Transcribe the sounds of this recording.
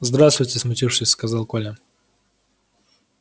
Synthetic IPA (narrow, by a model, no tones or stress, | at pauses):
zd̪ɾast̪vʊjtʲɪsmʊtʲifʂɨsʲskɐzalˠkolʲə